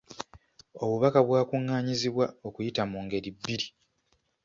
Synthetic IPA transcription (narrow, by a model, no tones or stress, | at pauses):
o̞βuβakaβwaːkuŋːaːɲiziβwao̞kujitamuːŋɡe̞ɾibːiɾi